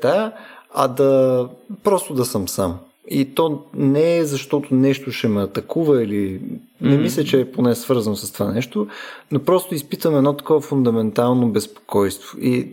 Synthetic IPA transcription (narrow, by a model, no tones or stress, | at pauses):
t̪aɐ̰d̪ɐ | pɾɔst̪od̪ɐsəmsam | it̪ɔnɛɛzɐʃt̪ɔt̪onɛʃt̪ʊʃɛmɛɐt̪ɐkuvəilinɛmislʲət͡ʃɛːponɛsvɤɾzənosɐst̪o̥vanɛʃt̪onopɾɔst̪oispit̪vəmɛd̪nɔt̪ɐ̥kɔvɐfʊnd̪ɐmɛnt̪alˠnobɛspo̥kɔjst̪voʔi